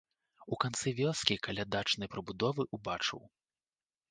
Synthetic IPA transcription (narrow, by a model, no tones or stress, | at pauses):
ukant̪sɨvʲɔskʲikalʲad̪at͡ʂnɐjpɾɐbud̪ɔvɨʔubat͡ʂɨ̰w